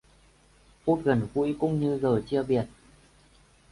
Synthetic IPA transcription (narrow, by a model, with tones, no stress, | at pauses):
fu˦˥t̚ɣə˨˩nkṵ˧˥˦jkʊ̰˧˥ŋ͡mɲɨ˧zəː˨˩t͡ɕi˧əɓi˨˩ət̚